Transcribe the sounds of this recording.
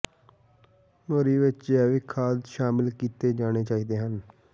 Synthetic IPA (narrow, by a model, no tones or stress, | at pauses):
moːɾiːʋɪt͡ʃjɛːʋɪkʰːaːd̪ʃaːmɪlkiːt̪eːd͡ʒaːɽ̃eːt͡ʃaːiːd̪eːɦən